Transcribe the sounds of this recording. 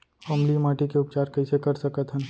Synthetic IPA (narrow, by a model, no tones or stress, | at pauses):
oːmlimaːʈikeʊp̚t͡ʃaːɾkɐisekɐɾsɐkət̪ɦə̃n